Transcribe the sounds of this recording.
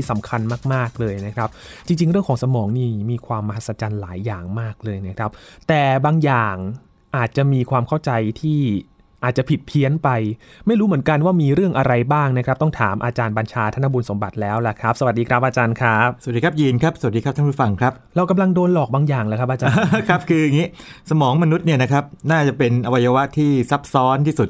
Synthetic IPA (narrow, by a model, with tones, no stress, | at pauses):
i˥˩sa˩˦mkʰa˧nmaː˥˩k̚maː˥˩k̚lɤː˧jna˦˥kʰɾa˦˥p̚t͡ɕi˧ŋt͡ɕi˧ŋɾɯ˥˩əŋkɔː˩˦ŋsa˧mɔː˩˦ŋniː˥˩miː˧kʰwaː˧mːa˧ɦa˦˥t̪sa˧t͡ɕaː˧nlaː˩˦jːaː˨˩ŋmaː˥˩k̚lɤː˧jna˦˥kʰɾa˦˥p̚t̪ɛː˨˩baː˧ŋjaː˨˩ŋ | ʔaː˨˩t̪̚t͡ɕa˨˩miː˧kʰwaː˧mkʰa˥˩wt͡ɕa˧jt̪ʰiː˥˩ | ʔaː˨˩t̪̚t͡ɕa˨˩pʰi˨˩t̪̚pʰi˦˥ənpa˧jma˥˩jɾuː˦˥mɯ˩˦ənka˧nwaː˥˩miː˧ɾɯ˥˩əŋʔa˧ɾa˧jbaː˥˩ŋna˦˥kʰɾa˦˥p̚t̪ɔ˥˩ŋt̪ʰa̰ː˩˦mʔaː˧t͡ɕaː˧nba˧nt͡ɕʰaː˧t̪ʰa˥˩nʰːa˥buː˧nso˩˦mba˨˩t̪̚lɛː˦˥wla˨˧˩kʰɾa˦˥p̚sa˨˧wa˨˩t̪̚diː˧kʰɾa˦˥p̚ʔaː˧t͡ɕaː˧nkʰɾa˦˥p̚ss̚diː˧kʰa˦˥p̚jiː˧nkʰɾa˦˥p̚sa˨˩˨t̚diː˧kʰa˦˥a˥˩pu˥˩fa˧ŋkʰɾa˦˥p̚ɾa˧wka˧mla˧ŋdoː˧nlɔː˨˩k̚baː˧ŋjaː˨˩ŋlaː˩kʰa˦˥pʔaː˧t͡ɕaː˧kʰɾa˦˥p̚kʰɯː˧ŋiː˦˥sa˧mɔː˩˦ŋma˧nu˦˥t̪̚ni˥˩ɐna˦˥kʰa˦˥p̚naː˥˩t͡ɕa˨˩pe˧nʔa˧wa˧ja˧wa˦˥t̪ʰiː˥˩sa˦˥p̚sɔː˦˥nt̪ʰiː˥˩su˨˩t̪̚